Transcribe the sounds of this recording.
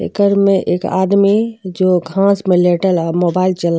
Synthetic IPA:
ḛkəɾmẽʔeːka̰ːd̪mid͡ʒoːɡʱãːsmẽleːʈəlamoːbaːɪlt͡ʃəla

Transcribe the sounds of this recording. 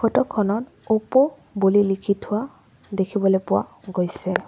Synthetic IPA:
kʰɔtɔkʰːɔnɔt | opɔ | bulilikʰitʰʊwa | dekʰibɔlojpʊwa̰ɡojsɛ

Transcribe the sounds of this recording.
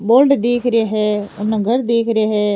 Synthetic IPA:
boːlɖd̪eːkʰɾɪaːɦɛːʊnːãːɡʱəɾd̪eːkʰɾɪaːɦɛː

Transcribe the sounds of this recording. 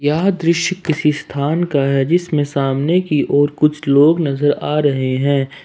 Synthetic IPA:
jaːɦd̪ɾɪʃjkːɪsist̪ʰaːnkaɦɛd͡ʒɪsmẽsaːmnekiʔɔːɾkʊt͡ʃʰloːɡnɐzəɾaːɾɐɦeɦɛ̃ː

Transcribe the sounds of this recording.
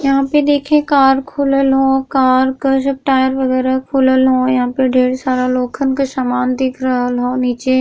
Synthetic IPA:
jɐɦãped̪eːkʰẽkaːɾkʰuːləlɦokaːɾkosəp̚ʈaːjəɾʋɐɣɛːɾakʰuːləlɦojɐɦãːpeɖʱeːɽsaːɾaloːkʰənkosamaːnd̪ɪkʰɾəɦəlɦoːniːt͡ʃeː

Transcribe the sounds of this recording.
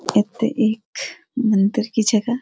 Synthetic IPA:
et̪ḛʔeːk | mɐ̃nt̪ɪɾkid͡ʒɐɡa

